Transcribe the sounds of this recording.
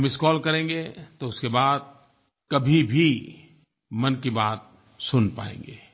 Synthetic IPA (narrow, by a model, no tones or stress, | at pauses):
mɪskɔːlkɐɾẽːɡet̪oʊskebaːd̪̚ | kɐbʱibʱi | mɐnkibaːt̪̚ | sʊnpa̰ːḛ̃ːŋɡeː